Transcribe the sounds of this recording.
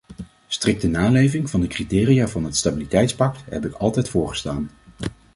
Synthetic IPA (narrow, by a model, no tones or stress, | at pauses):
strɪk̚tənaːlejvɪŋvɑndəkritɪːriaːvɑnɦətstabilitɛjtspɑktɦɛ̰pɪkɑlˠtɛjtfʊːɹχə̥staːn